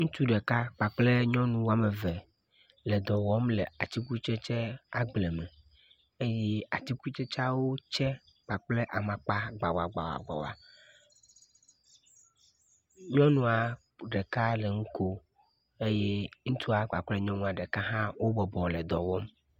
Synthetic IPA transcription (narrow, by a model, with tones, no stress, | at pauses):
ŋũ˦t̪u˦ɖɛ˨ka˦k͡pa˨k͡ple˦ɲɔ̃˦nũ˦wo˦a˦me˨ve˨ | le˨d̪ɔ˨wɔ˦mle˨a˨t̪i˦ku˦t͡ʃɛ˦t͡ʃɛ˦a˨ɡ͡blɛ˨mɛ˨ | e˦jɛ˦a˨t̪i˦ku˦t͡ʃɛ˦t͡ʃa˦wo˦t͡ʃɛ˦ | k͡pa˨k͡ple˦ʔa˨mã˨k͡pa˦ɡ͡ba˨wa̰˨ɡ͡ba̰˨wa̰˨ɡ͡ba̰˨wa̰˨ | ɲɔ̃˦nũ˦a˨ | ɖɛ˨ka˦le˨ŋũ˦ko˦ | e˦je˦ŋũ˦t̪ʰu˦a˨k͡pa˨k͡ple˦ɲɔ̃˦nũ˦a˨ɖɛ˨ka˦ɦã˦wo˦bɔ˨bɔ˨lɛ˨d̪ɔ˨wɔ˦m